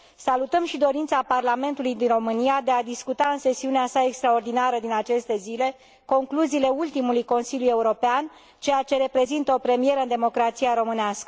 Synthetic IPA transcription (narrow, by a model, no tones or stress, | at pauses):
salut̪əmʃid̪o̞ɾint̪saparlame̞nt̪ulujd̪inro̞mɨnijad̪e̞ad̪iskut̪aɨnse̞siuneasae̞kst̪ɾao̞rd̪inaɾəd̪inat͡ʃe̞st̪e̞zile̞ | ko̞ŋkluziːle̞ult̪imulujko̞nsiljuje̞uɾo̞pean | t͡ʃe̞jat͡ʃe̞ɾe̞pɾe̞zint̪əo̞pɾe̞mije̞ɾəɨnd̪emo̞kɾat̪sijaɾo̞mɨneaskə